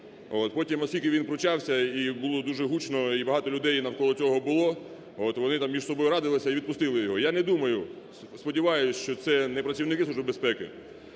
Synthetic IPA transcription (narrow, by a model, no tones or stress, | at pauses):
ot̪pɔtʲimɔsʲkʲilʲkɪʋʲinpɾɔt͡ʃɑwsʲɐibʊlˠɔd̪uʒɛɦut͡ʃnɔibɐɦɑt̪ɔlʲʊd̪ɛjnɐwkɔlˠɔt͡sʲɔɦɔbʊlˠɔ | ot̪ʋɔnɪt̪ɑmmʲiʒsɔbɔjʊɾɑd̪ɪlˠɪsʲɐiʋʲid̪̚pʊst̪ɪlˠɪjɔɦɔjanɛd̪umɐjʊ | spɔdʲiʋɑjʊt͡ʃɔt̪sɛnɛpɾɐt͡sʲiwnɪkɪsuʒbɪbespɛkɪ